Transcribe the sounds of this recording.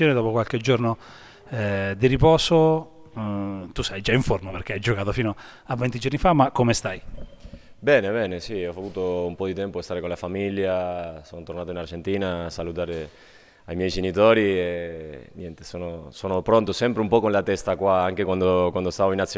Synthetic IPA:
joːned̪ɔːpokwalk̟ed͡ʒorno | d̪iɾipɔːso | t̪ust̪ajd͡ʒaiɱformaperk̟eajd͡ʒokaːt̪ofiːnoavːɛnt̪id͡ʒornifamːakːomest̪aj | bɛːnebɛːnesiɔfavuːt̪oumpɔd̪it̪ɛmpoest̪aːɾekonlafamiljasoːnot̪oɾnaːt̪oinard͡ʒent̪iːnaːsalut̪aːɾe | ajmjɛjd͡ʒenit̪oːɾienjɛnt̪e̥soːnosoːnopɾont̪osɛmpɾeumpɔkonlat̪ɛst̪akwaaŋkekwand̪okwand̪ost̪aːvoinat̪s

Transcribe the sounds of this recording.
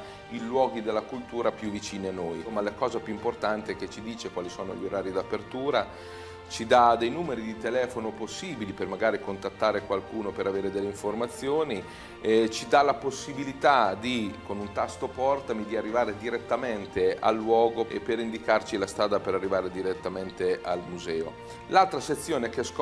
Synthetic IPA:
ilwɔːɡid̪elːakult̪uːɾapjuvːit͡ʃiːnianːojmalakɔːzapjuimport̪ant̪eket͡ʃid̪iːt͡ʃekwaːlisoːnoʎoɾaːɾid̪apert̪uːɾa | t͡ʃid̪ad̪ejnuːmeɾid̪it̪elɛːfonoposːiːbilipermaɡaːɾikont̪at̪ːaːɾekwalkuːnopeɾaveːɾed̪elːeiɱformat̪sːjoːni | et͡ʃid̪alaposːibilit̪ad̪ikonunt̪ast̪opɔrt̪amid̪iarːivaːɾed̪iɾet̪ːament̪ea̰lːwɔːɡoḛpeɾind̪ikart͡ʃilast̪ɾaːd̪apeɾarːivaːɾed̪iɾet̪ːament̪ealmuzɛːo̰ | lalt̪ɾaset̪sːjoːnekeɛsk

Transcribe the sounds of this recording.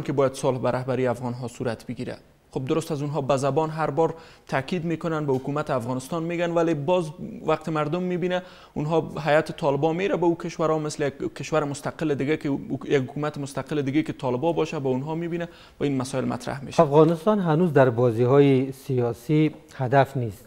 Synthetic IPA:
nkɪbɔjad̪sʊlhbaɾaɦbaɾiafɣɔnɦɒsuɾat̪bɪɡiɾa̰ | xob̚d̪ʊɾʊst̪azunɦɔbazabɔnɦaɾbɒɾt̪ʰakid̪mekʊnanbahʊkumat̪ɪafɣɔnɪst̪ɒnmeɡanwalebɒzwaq̚t̪ɪmaɾd̪ʊmːibina | unɦɔɦajat̪ɪ̥t̪ʰɒlɪbɔmeɾabaukɪʃwaɾɔmɪslɪjakkːɪʃwaɾɪmʊst̪aqɪlɪd̪ɪɡakɪjakhʊkumat̪ɪmʊst̪aqɪlɪd̪ɪɡekɪt̪ʰɒlɪbɒbɒʃabaunɦɒmibina | wainmasɔɪlma̰t̪ɾa̰hmḛʃafɣɔnɪst̪ɔnɦanuzd̪aɾbɔzihɔisijɔsi | had̪afnist̪

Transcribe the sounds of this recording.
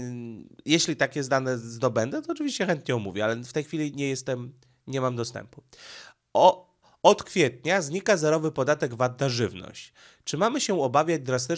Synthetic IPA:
jɛɕlʲit̪akʲɛzd̪anɛzd̪ɔbɛnd̪ɛt̪ɔːt͡ʂɘvʲiɕt͡ɕɛxɛnt̪̚ɲɛɔmuvʲjɛalɛft̪ɛjxfʲilʲiɲɛjɛst̪ɛm | ɲɛmamd̪ɔst̪ɛ̰mpu̥ | ɔ | ɔt̪kfʲjɛt̪̚ɲazɲikazɛɾɔvɘpɔd̪at̪ɛɡvat̪̚ːaʐɘvnɔ̰ɕt͡ɕ | t͡ʂɘmamɘɕɛɔbavʲjad͡ʑd̪ɾast̪ɘ

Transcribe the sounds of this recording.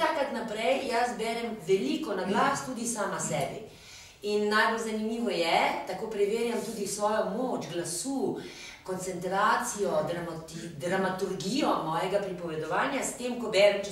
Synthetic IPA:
akɾat̪napɾɛjjasbɛɾɛmʋɛliːkɔnaɡlaːst̪uːd̪isaːmasɛːbi | inːajbolzanimiːʋɔjɛt̪akoːpɾɛʋeːɾjamt̪uːd̪isʋɔːjɔmoːt͡ʃɡlasuːkɔnt̪sɛnt̪ɾaːt̪sijɔd̪ɾamt̪id̪ɾamat̪uɾɡijɔmɔːjɛɡapɾipɔʋɛd̪ɔʋaːnjast̪eːmkɔbɛɾɛm

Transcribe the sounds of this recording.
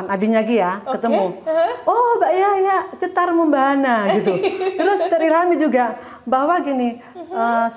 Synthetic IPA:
nabiɲaɡijakət̪əmuobaʔjajat͡ʃət̪arməmbaɦanaɡit̪ut̪əɾʊst̪əɾiɾɦamid͡ʒuɡa | baɦwaɡini | əs

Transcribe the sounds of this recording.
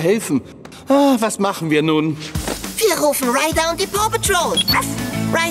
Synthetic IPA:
ɦɛlθn̩ | aːvasmaχn̩viːnunviːəɾoːfn̩ɹajdãwndipʰɔpətʰɹoːlˠvasɹa

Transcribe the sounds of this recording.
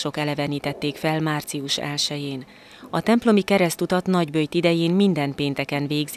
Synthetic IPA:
ʃo̞kɛlɛvɛniːt̪ɛt̪ːeːkfɛlmaːrt̪siuʃɛ̰lʃɛjeːn | ɒt̪ɛmplo̞mikɛɾɛst̪ut̪ɒt̪nɒɟbøjt̪id̪ɛjeːnmind̪ɛnpeːnt̪ɛkɛnveːɡz

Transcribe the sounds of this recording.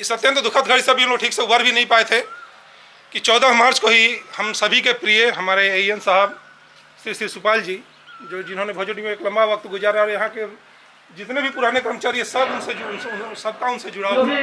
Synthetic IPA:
ɪsət̪jə̃nt̪d̪ukʰət̪ɡʱəɽisebʱiunkoʈʰiːkseubəɾbʱinəɦĩpaet̪ʰɦe | kit͡ʃɔːd̪əɦmaːɾt͡ʃkoɦihəmsəbʱikepɾijeɦəmaːɾeejənsəɦəb | sɾisɾisupaːld͡ʒi | d͡ʒod͡ʒɪnɦonebʱod͡ʒuʈimeeːklə̃mbaʋək̚t̪ɡʊd͡ʒaɾaɾjɐɦãke | d͡ʒɪt̪nebʱipuɾanekəɾmət͡ʃaɾiẽsəbʊnsed͡ʒnsəb̚ʱkaʊnsed͡ʒʊɽa

